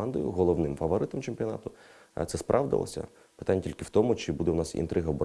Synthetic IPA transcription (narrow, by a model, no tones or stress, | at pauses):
ɑnd̪ɔ̰jʊ̰ɦɔlˠɔʋnɪmfɐʋɔɾɪt̪ɔmt͡ʃemʲpʲiɔnɑ̰t̪ʊ | t̪sɛspɾʔɑ̰ʋd̪ɪ̰lˠɔ̰sʲɐ̰ | pɪt̪anʲːɐtʲilʲkɪwt̪ɔmʊt͡ʃɪbud̪ɛwnɑsḭnt̪ɾʔɪɦɐbɔ